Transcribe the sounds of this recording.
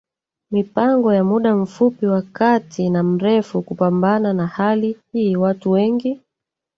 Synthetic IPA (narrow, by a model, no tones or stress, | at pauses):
mipaŋɡɔjamuɗam̩fupiwakatinam̩ɾɛfukupambananahalihiːwatuwɛŋɡi